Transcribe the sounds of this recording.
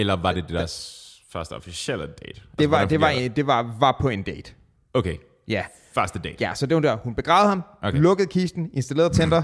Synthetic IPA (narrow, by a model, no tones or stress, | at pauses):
elɐʋɑ̈d̥e̝d̥ed̥æɐ̰s | fɶɐsd̥əɒfisel̰əd̥eːd̥d̥e̝ʋɑd̥e̝ɑ̈ed̥e̝ʋɑ̈ʋɑ̈pʰɒ̽e̝nd̥eːd̥ | okʰeɪ | jæ | fɶɐsd̥əd̥ḛjæsɒ̽d̥e̝ud̥æɐ̰hunb̥e̝ɡ̥ʁɑ̈ʊð̩ˠhɑ̈mʔolɔ̽ɡ̥əð̞̩ˠkʰiːsd̥n̩e̝nsd̥æle̝̰ɐð̩ˠt͡sʰend̥ɐ